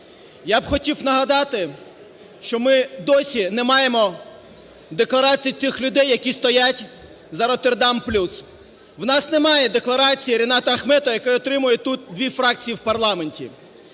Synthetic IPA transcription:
jabxɔtʲiwnɐɦɐd̪ɑt̪ɪ | ʃt͡ʃɔmɪd̪ɔsʲinɛmɑjemɔ | d̪eklˠɐɾɑt͡sʲijt̪ɪxlʲʊd̪ɛjːɐkʲist̪ɔjatʲ | zɐɾɔt̪erd̪ɑmplʲus | wnɑsnemɑjɛd̪e̞klˠɐɾɑt͡sʲijiɾʲinɑt̪ɐɐxmɛt̪ɔjɐkɔjɔt̪ɾɪmʊjɛt̪ut̪̚d̪ʋʲifɾɑk̚t͡sʲijiwpɐrlˠɑme̞nʲtʲḭ

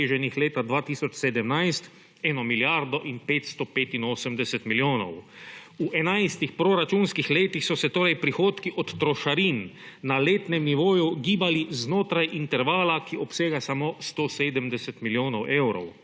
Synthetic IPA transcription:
eːʒɛnixleːt̪ad̪ʋaːt̪iːsɔt͡ʃsɛd̪ɛmnajst̪ | ɛːnɔmiljaɾd̪ɔʔinpeːt̪st̪ɔpeːt̪inoːsəmd̪ɛsɛt̪miljoːnɔ̰wuʔɛnajst̪ixpɾoɾat͡ʃunskixleːt̪ixsɔsɛt̪oːɾajpɾixoːt̪kiʔɔt̪ːɾɔʃaɾiːn | naleːt̪nɛmniʋoːjuɡiːbaliznoːt̪ɾajʔint̪ɛɾʋaːlakiɔpseːɡasamost̪oːseːd̪əmd̪ɛsɛt̪miljoːnɔwʔewɾɔ̰w

